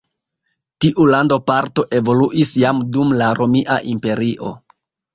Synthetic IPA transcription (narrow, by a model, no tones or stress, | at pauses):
tiʔulandopaɾto̞ʔe̞vo̞luʔisjamdumlaɾo̞miʔa̰ʔimpe̞ɾiʔo̞̰